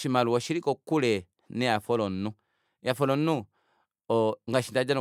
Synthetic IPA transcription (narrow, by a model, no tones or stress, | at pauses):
ʃimaluɔʃiɾikɔkulɛ | nɛafɔlɔnu | jafɔlɔnu | ɔŋɡaʃindad͡ʒau